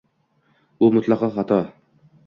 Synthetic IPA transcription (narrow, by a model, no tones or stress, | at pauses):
ʊmʊt̪ʰlˠɑqʰɑχɑt̪ʰɒ